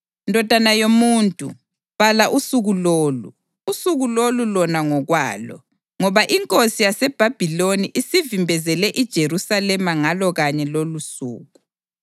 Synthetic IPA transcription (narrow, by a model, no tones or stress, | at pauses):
indʱɔd̥ʱanajomuntʼṵ | βalaʔusuɣuloːlṵ | usuɣulolulɔnaŋɔɣwa̰ːlɔ̰ | ŋɔβaʔiŋkʼosijasɛb̥ʱab̥ʱiloniʔisivimbʱɛzɛlɛʔid̥ʒ̥ʱeɾusalɛmaŋalɔɣaɲɛlolusṵːɣu